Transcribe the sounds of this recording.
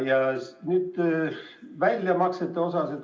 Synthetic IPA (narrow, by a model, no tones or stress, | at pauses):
jɑnyːd̪̥ | vælʲjɑmɑkset̪ːˑeo̞sɑset̪